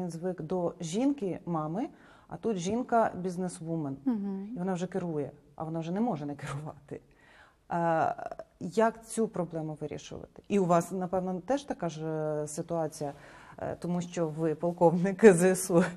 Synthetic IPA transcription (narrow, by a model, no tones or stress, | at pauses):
inzʋɪkd̪ɔʒʲinkɪmɑmɪ | ɐ̰t̪ut̪ʒʲinkɐbʲiznesʋumɐniʋɔnɑwʒɛkɪɾujɛ | ɐ̰ʋɔnɑwʒɛnɛmɔʒɛnɛkɪɾʊʋɑ̰t̪ɪ | jɐkt͡sʲupɾɔblˠɛmʊʋɪɾʲḭʃʊ̰ʋɐ̰t̪ɪ̥iʊʋɑsnɐpɛʋnɔt̪ɛʒt̪ɐkɑʒsɪt̪ʊɑt͡sʲijɐ̰t̪ɔmuʃt͡ʃɔʋɪpɐlˠkɔʋnɪkɪzɪsu